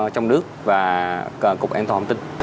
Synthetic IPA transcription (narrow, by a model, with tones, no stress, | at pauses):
t͡ɕɔ˧wŋ͡mɗɨ˦˥ək̚vaː˨˩˨kʊ˨˩k͡p̚ʔaː˧nt̪aː˨˩˨t̪ï˧ŋ̟